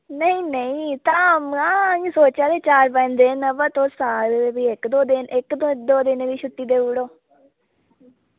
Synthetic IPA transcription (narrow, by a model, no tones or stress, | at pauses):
nəĩːnəĩːt̪aːmasoːt͡ʃaːd̪eːt͡ʃaːɾpɛ̃ːnd̪eːnəʋəːt̪õːsaːɾbiːɪkd̪oːd̪ɪnɪkd̪d̪oːd̪ɪnʋiːʃʊt̪ːiːd̪eːuːɽoː